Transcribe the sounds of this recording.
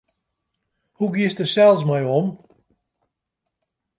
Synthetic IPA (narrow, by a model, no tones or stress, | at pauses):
huɡiəstəsɛlˠsmɛjɔm